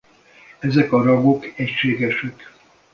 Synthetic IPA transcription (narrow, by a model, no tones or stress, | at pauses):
ɛzɛkɒɾɒɡokɛcʃeːɡɛʃɛk